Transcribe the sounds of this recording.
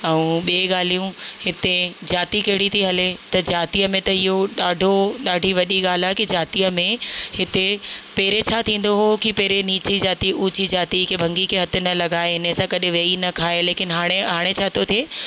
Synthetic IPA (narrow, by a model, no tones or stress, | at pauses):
ɛũːɓieɠaːl̤ijũhɪt̪ed͡ʑaːt̪ikɐɦɪɽit̪ʰiɦɐlet̪ɐd͡ʑaːt̪iəmẽt̪ɐɪɦoɗaːɖʱoɗaːɖʱiʋɐɗiɠaːl̤aːɦekid͡ʑaːt̪ijəmẽhɪt̪epɐːɪɾet͡ɕʰaːt̪ʰĩːn̆d̪oɦokipɛɦɾeniːt͡ɕid͡ʑaːt̪iuːt͡ɕid͡ʑaːt̪ikʰeːbʱɐ̃ŋɡikʰeɦɐt̪ʰʊ̆nɐlɐɡaːeɦɪnəsãkɐɗɪʋeːinɐkʰaːeleːkɪnɪɦaːɽ̃eɦaːɽ̃et͡ɕʰaːt̪ot̪ʰeː